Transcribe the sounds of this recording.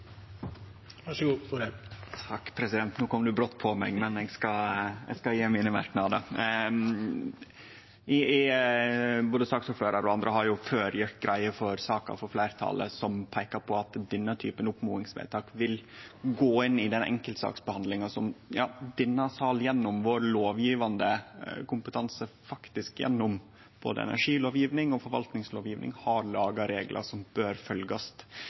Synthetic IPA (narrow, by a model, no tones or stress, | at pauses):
ɑɡ | t̪ʰɑkːpʰɾɛsɪd̪ɛnt̪nuːkʰɔmːd̪ʉbɾɔt̪ːpʰɔmɛ̰ɡmɛnɛɡskɑɛ̰ɡskɑjeːmiːnəmɑ̰ɾknɑd̪ə | ɪ | boːd̪əst̪ɑːksɔːɾføːɾɑɾɔɑnd̪ɾəhɑɾjʊføːɾjʊt̪ɡɾʔæɪəfɔɾsɑːkɑ̰fɔɾflæɪɾt̪ʰɑ̰ːlə̰sɔmpʰæɪkɑɾpʰɔɑt̪d̪ɛnːət̪ʰy̰ːpənʊpmṵːɪŋsʋḛːt̪ʰɑːkʋɪlɡoːɪnːɪd̪ɛnɛ̰ŋkəlt̪sɑ̰ːksbəhɑnd̪lɪŋɑsɔmjɑːd̪ɪnːɑsɑljɛnːʊmʋoɾloːʋjiːʋɑnd̪əkʰʊmpət̪ʰɑnsəfɑkt̪ɪskjɛ̰nːʊm | b̥o̰ːd̪ə̰ɛ̰næ̰ʂiːloːʋjiːʋnɪŋɔfɔɾʋɑlt̪nɪŋsloːʋjiːʋnɪ̰ŋhɑɾlɑːɡɑɾeːɡlʔə̰sɔmb̥øːɾfœlɡɑst̪